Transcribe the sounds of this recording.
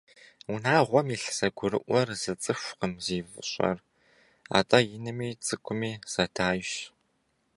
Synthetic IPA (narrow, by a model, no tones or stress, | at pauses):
ʊnaːʁʷɔmiɬsɐɡʷʊɾɨ̰ʔʷɔrzɨt͡sʼɨɕʷqəmziːvɨɕʼɐ̰r | a̰ːtʼɐjɪnɨmiːt͡sʼɨkʷʰʼʊmiːz̥ɐtʰaːjɕ